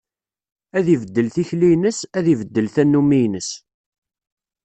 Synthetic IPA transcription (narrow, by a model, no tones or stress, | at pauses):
æðivəd̪ːəlθiçlijnəsæðivəd̪ːəlθænːumijnəs